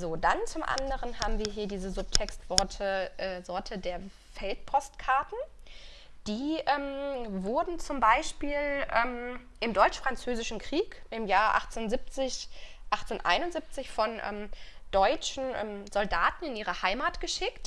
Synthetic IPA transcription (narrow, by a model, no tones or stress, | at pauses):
zoːdant͡sʊmʔa̰ndəʁənhaːbm̩viːɐɦiːɐdiːzəzʊp̚tʰɛkstv̥ɔɐtʰəʔɛːzɔɐtʰədeːɐ | fɛlt̚pʰɔstkʰaɐtn̩ | d̥iːʔɛmvʊɐdn̩t͡sʊmbaɪʃpiːlʔɛːm | ʔɪmdɔʏt͡ʃfʁ̥ant͡søːzɪʃn̩kʁ̥iːkʔɪmjaːɐʔa̰χt͡sːnzɪp̚t͡sɪç | ʔaχt͡senʔa̰ɪnʊnzip̚t͡sɪçfɔnʔɛ̰ːmd̥ɔʏt͡ʃn̩ʔɛːmzɔldaːtn̩ɪnʔiːʁəhaɪmaːtɡ̥əʃɪkt